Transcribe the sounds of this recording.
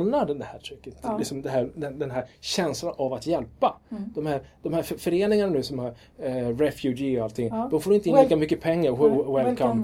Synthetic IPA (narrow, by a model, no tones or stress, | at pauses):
nːadɛd̪ɛhæːʈʰɾɪkːət̪ɪksɔmd̪ɛɦæɾd̪ɛd̪ɛnɦæɾɕɛnslanʔavat̪jɛlpad̪̥ɔmhæːɾd̪̥ɔmhæːɾfœɾeːnɪŋananʉːsɔmhɑɾ | ɾɛfjʉɡiɔalt̪ʰːɪŋːd̪ɔmfoːɾɪnt̪əɪniːkamʏkːəpʰɛŋːaɾwɛlkʰɔm